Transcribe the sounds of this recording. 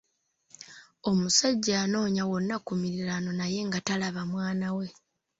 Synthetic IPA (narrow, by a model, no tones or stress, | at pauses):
o̞musaɟːaːno̞ːɲawo̞nːakumiɾiɾano̞naje̞ŋɡatalaβamwaːnawe̞